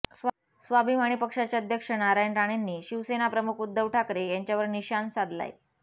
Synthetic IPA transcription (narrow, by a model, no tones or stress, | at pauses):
s | sʋabʱimaɽ̃ipəkʂat͡ɕaəd̪ʱjəkʂənaɾajnɾaɽ̃enːiːɕiʋsenapɾəmukʰud̪ːəʋʈʰakɾejaɲt͡ɕjaʋəɾniɕansad̪la̰j